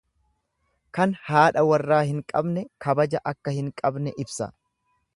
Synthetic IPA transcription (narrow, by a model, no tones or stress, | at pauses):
kɐnhaːᶑɐwɐrːaːhɪŋkʼɐbnɛkɐbɐd͡ʒɐʔɐkːɐhɪŋkʼɐbnɛʔɪbsɐ̰